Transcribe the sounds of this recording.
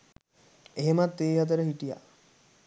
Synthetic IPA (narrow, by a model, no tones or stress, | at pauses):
eɦemat̪ːeːɦat̪̬əɾəɦiʈija̰